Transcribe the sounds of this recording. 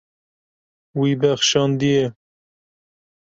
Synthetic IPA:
wibɛxʃɑːnd̪ije

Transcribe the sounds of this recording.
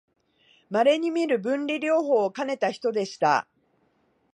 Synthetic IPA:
maɾe̞ɲ̟imʲiɾɯ̟bɯ̟̃nɾʲiɾʲo̞ːɦo̞ːkane̞t̪açi̥t̪o̞d̪e̞ɕi̥t̪a̰

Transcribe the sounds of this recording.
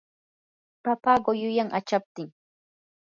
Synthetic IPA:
papaɢojʊjaŋʔat͡ʃap̚t̪ɪŋ

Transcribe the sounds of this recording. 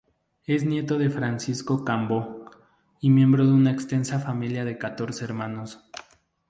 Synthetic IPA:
e̞znje̞t̪o̞ðe̞fɾansisko̞kambo | imjẽ̞mbɾo̞ðeunaekst̪e̞nsafamiljaðe̞kat̪o̞ɾseeɾmãno̞s

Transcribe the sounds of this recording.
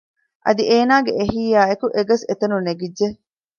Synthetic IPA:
ʔɐ̰d̪iʔeːnaːɡḛʔeɦiːjaːekuʔeɡɐset̪ɐnuneɡidʒe

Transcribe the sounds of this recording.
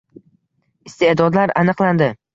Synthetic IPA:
ɪst̪ed̪ɒd̪laɾanɨqland̪ɪ

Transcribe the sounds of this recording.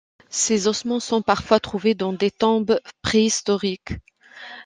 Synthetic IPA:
sezɔsmɑ̃sɔ̃paʁfwat̪χuved̪ɑ̃d̪et̪ɔ̃bpχeist̪ɔʁik

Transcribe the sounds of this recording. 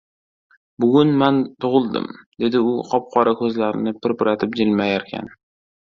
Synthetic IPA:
bʊɡʲʊnmant̪ʰʊʁɨlˠd̪ɪ̰md̪e̞d̪ɪʊqʰɒp̚qʰɒɾakʰɵzlaɾɪnɪpɪɾpɪɾat̪ʰɪpd͡ʒɪlmajaɾkʲʰa̰n

